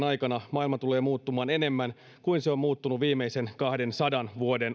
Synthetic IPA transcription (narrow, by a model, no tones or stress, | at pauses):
nɑjkɑnɑmɑːilmɑt̪ule̞ːmuːt̪ːumɑːne̞ne̞mːæn | kuinseo̞mmuːt̪ːunuʋiːmːeisenkɑhde̞nsɑdɑnʋuode̞n